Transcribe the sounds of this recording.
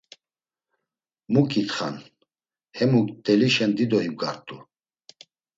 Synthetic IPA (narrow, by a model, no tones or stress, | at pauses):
mukʼit̪χa̰n | hɛmukd̪ɛliʃɛnd̪id̪ɔim̚ɡa̰ɾt̪ʼu